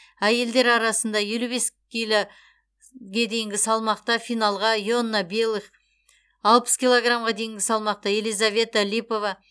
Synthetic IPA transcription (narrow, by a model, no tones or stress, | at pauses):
æje̞ld̪e̞ɾɑɾɑsənd̪ɑje̞lube̞skʲilo | ɡʲed̪e̞jɪŋɡʲɪsɑlˠmɑqt̪ɑfijnɑlˠʁɑjo̞nːɑbelˠiχ | ɑlˠpə̥skʲilˠo̞ɡramʁɑd̪e̞jɪŋɡʲɪsɑlˠmɑq̚t̪ɑje̞lijzavʲe̞t̪alʲipo̞vɑ